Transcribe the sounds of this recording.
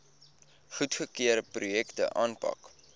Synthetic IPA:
χutχəkiəɾəprujɛktə̰ʔɑːnpɐ̰k

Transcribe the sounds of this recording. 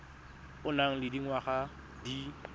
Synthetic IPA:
ʊnaŋ̩lɪdiŋwaχa | di

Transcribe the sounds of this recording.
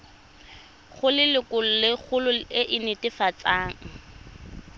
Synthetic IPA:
χʊlɪlɪkʊl̩lɪχʊlʊɪʔɪnɪtɪfat͡saːŋ̩

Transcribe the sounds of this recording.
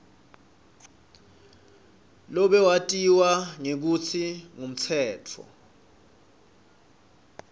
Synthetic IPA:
lɔɓɛwatʼiwaŋek̬ut͡sʰiŋum̩t͡sʰɛːtʰɔ̰

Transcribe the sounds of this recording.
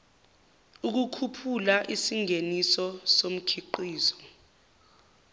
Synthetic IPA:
uk̬ukʰupʰulaʔisiŋenisɔsom̩kʰiǃiːzɔ̥

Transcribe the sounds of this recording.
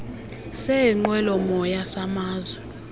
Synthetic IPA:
sɛiŋ͡ǃwɛlɔmɔjasamaːzwɛ

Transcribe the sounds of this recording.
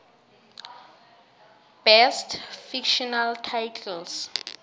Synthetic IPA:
b̥ɛstfikʃɔnaltʰajtʰɛls

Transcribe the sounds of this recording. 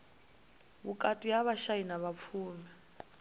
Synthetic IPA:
βukʼatʼiaβaʃainaβap̪fʰuːmɛ

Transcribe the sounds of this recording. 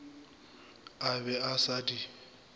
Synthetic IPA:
abɛasadi

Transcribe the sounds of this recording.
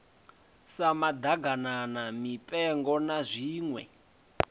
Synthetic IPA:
samad̪aɡananamipʼɛŋɡɔnazʷiːŋwɛ̰

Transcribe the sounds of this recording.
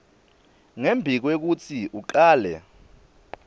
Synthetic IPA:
ŋembʱik̬wek̬ut͡sʰiʔuǃaːlɛ̰

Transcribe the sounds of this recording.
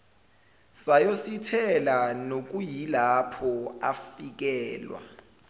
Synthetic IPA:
sajositʰɛlanok̬ujilapʰɔafik̬ɛːlwa̰

